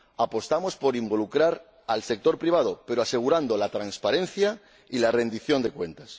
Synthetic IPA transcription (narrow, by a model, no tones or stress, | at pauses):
apo̞st̪amo̞spo̞ɾimbo̞lukɾaɾ | alse̞k̚t̪o̞ɾpɾiβ̞að̞o̞pe̞ɾo̞ase̞ɣ̞uɾand̪o̞lat̪ɾanspaɾe̞nθja | ilare̞nd̪iθjo̞nd̪e̞kwe̞nt̪as